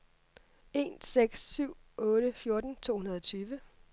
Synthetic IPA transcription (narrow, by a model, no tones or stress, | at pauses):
e̝̰ːnseɡ̥sːyʊ̰ɔ̽ːɾəfjo̝ɐd̥n̩t͡sʰo̝̰ːhunɐð̞ˠɒ̽t͡sʰyːʋə